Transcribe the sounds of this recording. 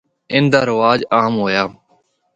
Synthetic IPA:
ɪ̃nd̪aːɾɪʋaːd͡ʒaːɦmɦoːjaː

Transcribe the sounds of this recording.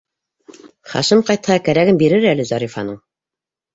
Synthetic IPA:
χɑ̰ʃɤmqɑjt̪hɑkæɾæɡɘmbiɾɘɾælɘzɑɾifɑ̰nɤɴ

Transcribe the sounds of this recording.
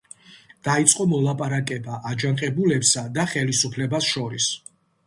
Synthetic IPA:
d̪̥ait̪sʼqʼɔmɔlˠapʼaɾakʼɛbaʔad͡ʒanqʼɛbulɛpsad̪aχɛlisupʰlɛbasʃɔɾis

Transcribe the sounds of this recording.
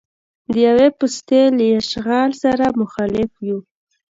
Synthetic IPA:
d̪əjawepʊst̪elajaʃɣɑlsaɾamʊxɑlɪfju

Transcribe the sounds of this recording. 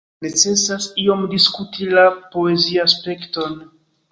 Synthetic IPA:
ne̞t͡se̞sasio̞mdiskutʰilapo̞e̞ziaspe̞kto̞n

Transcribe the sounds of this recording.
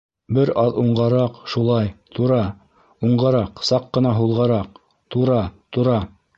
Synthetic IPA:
bɘɾɑðuɴɢɑɾɑqʃulˠɑjt̪ʰuɾɑ | uɴɢɑɾɑqsɑqːɤ̆nɑɦulˠʁɑɾɑq̚ | t̪uɾɑt̪uɾɑ

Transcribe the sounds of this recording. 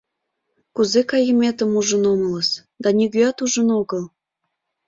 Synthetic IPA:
kuzekɑjəmʲet̪ə̆muʒə̆nomələs | d̪ɑnʲiɣyɑt̪uʒə̆noɣəl

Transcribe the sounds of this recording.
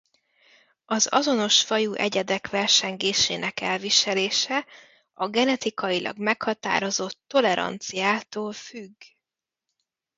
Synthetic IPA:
ɒzɒ̰zo̞no̞ʃfɒjuːʔɛɟɛd̪ɛkʋɛrʃɛŋɡeːʃḛːnɛkɛlviʃɛleːʃɛ | ɒɡɛnɛt̪ikɒjilʔɒ̰ɡmɛkhɒt̪a̰ːɾo̞zo̞t̪ːo̞lɛɾɒ̰nt̪sijaːt̪oːlfyɡː

